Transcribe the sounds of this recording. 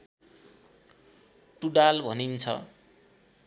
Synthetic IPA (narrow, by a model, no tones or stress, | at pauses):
ʈuɖalbʱʌnint͡sʰʌ̰